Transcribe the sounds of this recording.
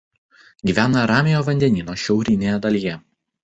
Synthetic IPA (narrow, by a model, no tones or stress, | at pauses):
ɡʲiːʋʲæːnɐɾɑːmʲɪjoːʋɐnʲd̪ʲɛnʲiːnoːʃʲɛʊɾʲɪnʲeːjɛd̪ɐlʲijɛ